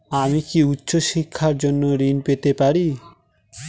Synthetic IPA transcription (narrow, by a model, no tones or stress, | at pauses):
amikiutːʃoʃikʰːaɾd͡ʒonːoɾinpet̪epaɾi